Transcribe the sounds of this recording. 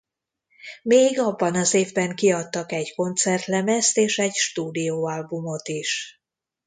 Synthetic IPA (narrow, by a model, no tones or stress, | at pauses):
meːɡɒbːɒnɒzeːvbɛŋkiɒt̪ːɒkɛɟko̞nt̪sɛrt̪lɛmɛst̪eːʃɛɟʃt̪uːd̪ijoːɒlbumo̞t̪iʃ